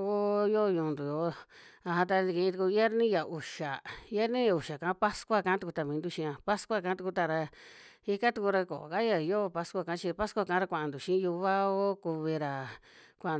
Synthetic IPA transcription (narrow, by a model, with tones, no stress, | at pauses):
o˦jo˦˧ɲũ˧˨˧nd̪u˨jo˨˧˦a˧ɦã˧t̪̬a˧ni˧kĩ˧ĩ˧u˧ku˧˦e˦ɾnĩ˦ja˨u˨ʃa˨je˦ɾnĩ˦ja˧u˨ʃa˨kã˨˦pa˦skʷa˦kã˧˦t̪u˧ku˧t̪a˧˨mĩ˨˧nd̪u˦ʃĩ˧ã˧pa˦skʷa˦kã˧˦t̪u˧ku˧t̪a˧ɾa˧ | i˦ka˦t̪u˧ku˧ɾa˧ko̰˨ka˦ja˧joː˦˧pa˦skʷa˧kã˧˦t͡ʃi˧pa˦skʷa˧kã˧˦ɾa˧kʷã˨ʔã˨nd̪u˨ʃĩ˦ju˧βa˦o˦ku˧βi˧ɾa˨ | kʷã˨